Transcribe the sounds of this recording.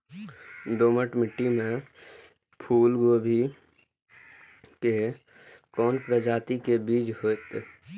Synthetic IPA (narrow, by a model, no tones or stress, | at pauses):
d̪oːməʈmɪʈːimẽ | pʰuːlɡoːbʱi | ke | kɔːnpɾəd͡ʒaːt̪ikebiːd͡ʒɦoːt̪